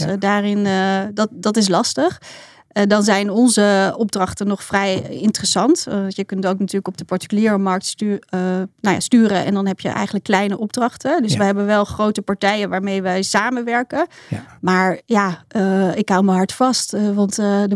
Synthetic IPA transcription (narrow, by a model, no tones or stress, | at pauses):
daːrɪndɑtdɑtɪs̬lɑstəχ | dɑnzɛjnɔnzəɔb̚drɑχtənɔχfrɛjɪntərəsɑntjəkɵntowknatyːɹləkɔb̚dəpɑɹtə̥kyliːɹəmɑɹk̚tː | nawja̰ːstyːɾənʔɛ̰ndɑnɦɛpjə̰ʔɛ̰jχənləkːlɛjnəʔɔb̚drɑχtədɵsʋəɦɛbənʋɛlˠχrowtəpɑɹtɛjənʋaːɹmejʋɛjsaːmənʋɛɹkənmaːɹjaːɪkɦawməɦɑɹtfɑstʋɑntdə